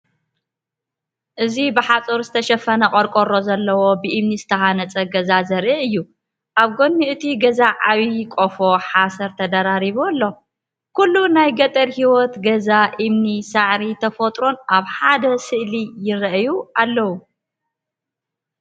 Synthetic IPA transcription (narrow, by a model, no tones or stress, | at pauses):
ʔɨzibɨħat͡sʼoɾzɨt̪ʰɐʃɐfɐnɐkʼoɾkʼoɾo̞zɐlːɐwo̞bɨʔimnizɨt̪ʰɐhanɐt͡sʼɐɡɐzazɐɾiʕɨjːu | ʔaβɡo̞nːiʔɨt̪ʰiɡɐzaʔaβikʼofoħasɐɾt̪ʰɐd̪aɾaɾiβolːo̞ | kulːunajɡɐt̪ʼɐɾhiwɔt̪ɡɐzaʔimnisaʕɾit̪ʰɐfot̪ʼɾo̞nʔaβħad̪ɐsɨʔlijɪɾɐʔjualːɐwu